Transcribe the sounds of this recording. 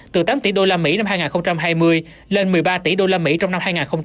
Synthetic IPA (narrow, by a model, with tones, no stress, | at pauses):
t̪ɨ˨˩t̪aː˨˦mt̪ḭ˧˩ɗo˧laː˧mḭ˧˥na˧mhaː˧jŋaː˨˩ŋxə˧wŋ͡mt͡ɕa˧mɦaː˧jmɨ˧əj | le˧nmɨ˨˩əjɓaː˧t̪ḭ˧˩˦ɗo˧laː˧mḭ˧˥t͡ɕɔ˧wŋ͡mna˧mhaː˧jŋaː˨˩nxə˧wŋ͡m